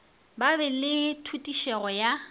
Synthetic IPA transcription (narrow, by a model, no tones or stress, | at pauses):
babɛlɪtʰutʼiʃɛɣɔja